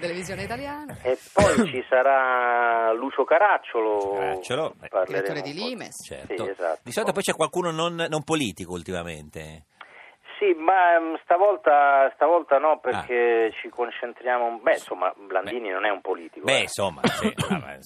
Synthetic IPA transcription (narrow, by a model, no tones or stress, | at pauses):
t̪elevizjoːneit̪aljaːnaepːɔjt͡ʃisaɾa | lut͡ʃokaɾat͡ʃːoloat͡ʃːolopaɾlleɾeoːɾed̪ilimḛst͡ʃɛ̰rtsioeza̰t̪d̪isɔlit̪apɔjt͡ʃɛkːwalkuːnononːompoliːt̪ikoult̪imamḛnt̪e | simast̪avɔlt̪ast̪avɔlt̪anɔperk̟et͡ʃikont͡ʃent̪ɾjaːmobɛnsomːa̰blanb̪iːninonɛumpoliːt̪ikobɛnsomːa̰t͡ʃɛ̰a̰